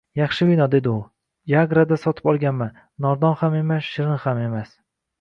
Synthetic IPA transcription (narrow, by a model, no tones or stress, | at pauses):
jɑχʃɪbɪnɒd̪e̞d̪ɪʊ | jaɡɾad̪asɒt̪ʰɪ̥pɒlˠɡʲanman | nɒɾd̪ɒnhame̞masʃɪɾɪnχame̞mas